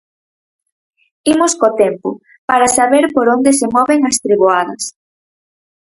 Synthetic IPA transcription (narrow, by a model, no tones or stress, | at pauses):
imʊskot̪ɛmpʊ̰ | paɾasaβeɾpoɾond̪esemɔβeŋɐst̪ɾiβoaðɐs